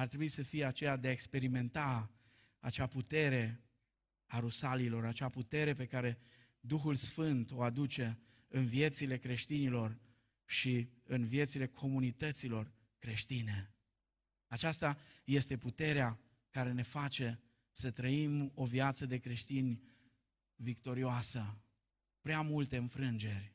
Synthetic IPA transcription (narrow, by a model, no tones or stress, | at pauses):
art̪ɾebuisəfijeat͡ʃe̞jad̪eaekspe̞ɾime̞nt̪a | at͡ʃaput̪e̞ɾe̞ | aɾusalilo̞ɾat͡ʃaput̪e̞ɾe̞p̬e̞kaɾe̞ | d̪uxulsfɨnt̪o̞ad̪ut͡ʃe̞ | ɨnvije̞t̪sile̞kɾe̞ʃt̪inilo̞r | ʃiɨnvije̞t̪sile̞kʰo̞munit̪ət̪silo̞r | kɾe̞ʃt̪ine | at͡ʃast̪aje̞st̪e̞put̪e̞ɾea | kaɾe̞ne̞fat͡ʃe̞ | sət̪ɾəimo̞vijat̪səd̪e̞kɾe̞ʃt̪inʲ | vikt̪o̞ɾioasə | pɾeamult̪e̞ɨnfɾɨnd͡ʒe̞rʲ